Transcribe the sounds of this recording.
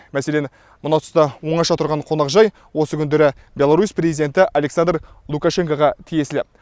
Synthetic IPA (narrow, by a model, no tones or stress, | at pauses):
mæse̞len | mʊnɑwt̪ə̥st̪ɑwo̞ɴɑʃɑt̪ʰʊɾʁɑɴqʰo̞nɑqʒɑj | wo̞səkʲʰʏnd̪e̞ɾɪ | bʲe̞lˠaɾuspre̞zid̪e̞nt̪ɪʔale̞ksand̪r | lˠukaʃe̞ŋkoʁɑt̪ʰije̞sɪlɪ